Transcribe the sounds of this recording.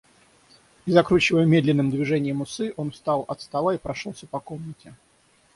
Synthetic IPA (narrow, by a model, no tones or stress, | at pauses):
izɐkɾut͡ɕɪvəjəmʲed̪lʲɪnːɨmd̪vʲɪʐɛnʲɪjəmʊsɨʔonfst̪ɑlˠɐt̪st̪ɐlˠaipɾɐʂolˠsʲəpɐko̞mnətʲɪ